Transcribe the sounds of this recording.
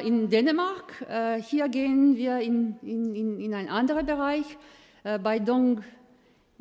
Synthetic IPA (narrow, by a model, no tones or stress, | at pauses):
ʔɪndeːnəmaɐkːhiːɐɡeːənviːɐɪnɪɪɪnaɪnʔandəʁəbəʁaɪç | ʔbaɪdɔŋɡ